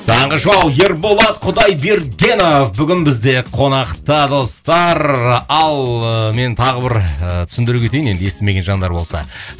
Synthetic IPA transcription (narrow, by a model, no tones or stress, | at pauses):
t̪ʰɑɴʁəʒɑwje̞ɾbo̞lˠɑt̪qʰʊd̪ɑjbeɾɡʲe̞nofbʏɡʲɪnbɪzd̪e̞qʰo̞nɑqt̪əd̪o̞st̪ɑɾɑlˠme̞nt̪ʰɑʁəbɪɾət̪ʰʏ̥sɪnd̪ɪɾɪkʲet̪ejine̞nd̪je̞st̪eme̞ɡʲe̞nʒɑnd̪ɑɾbo̞lˠsɑ̰